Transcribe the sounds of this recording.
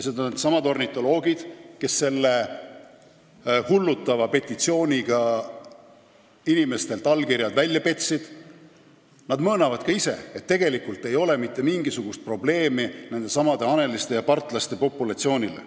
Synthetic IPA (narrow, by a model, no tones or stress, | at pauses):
jsed̪ɑnd̪sɑmɑd̪o̞rnit̪ːˑo̞lo̞ːɡ̥id̪̥ke̞sːe̞lːe | hulːut̪ːˑɑvɑpe̞t̪ʲːˑit̪sio̞ːnʲiɡɑ | inime̞st̪e̞lt̪ːˑɑlkirjɑd̪vælʲjɑpe̞t̪sid̪̥ | nɑd̪mɤːnɑvɑd̪kɑise̞̰et̪ːe̞ɡ̥e̞likult̪ːˑe̞jo̞le̞mit̪ːe̞miŋɡ̥isuɡ̥ust̪̚pro̞ble̞ːminend̪̥e̞sɑmɑd̪e̞ɑne̞list̪e̞jɑpɑrt̪ˑlɑst̪e̞po̞pːˑulɑt̪sio̞ːnʲilḛ